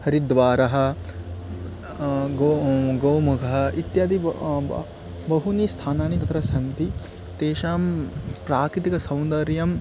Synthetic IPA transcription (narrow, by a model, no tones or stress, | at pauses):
hɐɾid̪ʋaːɾɐɦɐ̆ | ɡoɡɐwmukʰɐɦɐ̆ʔit̪jaːd̪i | bɐɦuniːst̪ʰaːnaːnit̪ɐt̪ɾɐsɐnt̪i | t̪eːʃaːmpɾaːkɾit̪ikɐsɐ̃w̃nd̪ɐɾjɐm